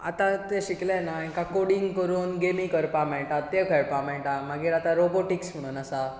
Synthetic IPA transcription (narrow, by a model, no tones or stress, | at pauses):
a̰t̪ãt̪ẽɕiklɛnaĩkakoɽiŋɡkəɾuːnɡemikəɾpamãɭʈat̪ːekʰeɽpamẽʈamaɡiːɾat̪aɾoboʈiksm̤əɽ̃uːnasa